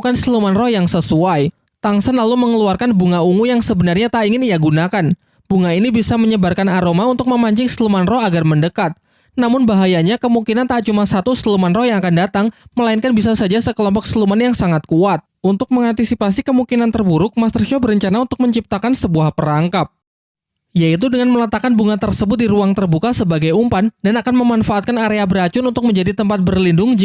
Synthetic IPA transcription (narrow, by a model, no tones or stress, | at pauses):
kanslumanrɔhjaŋsəsuaj | t̪aŋsənlaluməŋəluarkanbuŋauŋujaŋsəbənarɲat̪aiŋɪnijaɡunakan | b̥uŋainibisaməɲəbarkanaɾomaunt̪ʊk̚məmaɲt͡ʃɪkslumanrɔɦaɡarməndəkat̪̚ | namʊnbaɦajaɲakəmuŋkinant̪at͡ʃumasat̪uslumanrɔhjaŋakandat̪aŋməlainkanbisasad͡ʒasəkəlɔmpɔk̚səlumanjaŋsaŋat̪̚kuat̪̚unt̪ʊk̚məŋant̪isipasikəmukinant̪ərbuɾʊk̚mast̪ərʃɔbəɾəɲt͡ʃanaunt̪ʊk̚məɲt͡ʃip̚t̪akansəbuahpəɾaŋkap̚ | jait̪̬udəŋanmələt̪akanbuŋat̪ərsəbʊt̪̚diɾuaŋt̪ərbukasəbaɡajumpandanakanməmanfaːt̪̚kanaɾeabəɾat͡ʃʊnunt̪ʊk̚məɲd͡ʒadit̪əmpat̪̚bərlindʊŋd͡ʒ